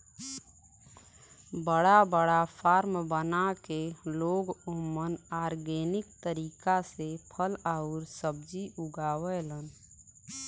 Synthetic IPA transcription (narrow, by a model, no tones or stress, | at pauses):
bəɽabəɽapʰaːɾmbənakeloːɡumənaːɾɡeːnɪkt̪əɾiːkasepʰəlaʊɾsəb̚d͡ʒiʔʊɡaːwɛlən